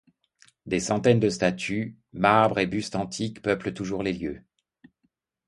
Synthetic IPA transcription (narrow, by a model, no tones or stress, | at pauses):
d̪esɑ̃t̪ɛnd̪əst̪at̪ʰy | maʁbʁebyst̪ɑ̃t̪ʰikpœplət̪uʒuʁleljø